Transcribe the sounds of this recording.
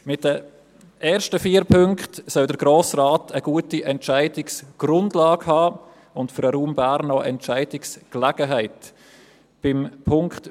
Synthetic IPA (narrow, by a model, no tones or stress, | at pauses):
mɪt̚d̥ə | ʔɛːɾʃtəfiːɾpʰʏŋkχtsœldəɾɡɾoːsraːtʰəɡ̥uətiʔɛntʃæɪdɪksɡ̥rʊndlɑːɡhɑː | ʊntfəɾəɾuːmbaɾnɔʔɛ̰ntt͡ʃaɪdɪksklɛɡ̥əɦaɪt | b̥ɪmpʰʊŋkχt